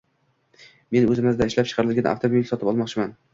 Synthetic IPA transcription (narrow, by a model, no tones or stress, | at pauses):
me̞nɵzɪmɪzd̪aɪʃlap̚t͡ʃʰɨ̥qʰɑɾɪlɡʲana̰ft̪ʰobilsɒt̪ɪpɒlˠmɒqt͡ʃʰɪman